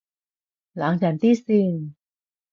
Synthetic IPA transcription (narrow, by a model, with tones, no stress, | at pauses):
la˩˦ŋt͡ɕaː˨˩nt̪ʰiː˥˩si˧˩ŋ